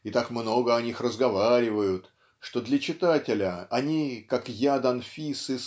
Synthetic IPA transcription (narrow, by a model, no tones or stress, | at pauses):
ɪt̪akmno̞ɡəɐnʲixrəzɡɐvaɾʲɪvəjʊt̪ | ʂt̪o̞d̪lʲət͡ɕɪt̪atʲɪlʲəɐnʲikakjad̪ɐnfʲisɨ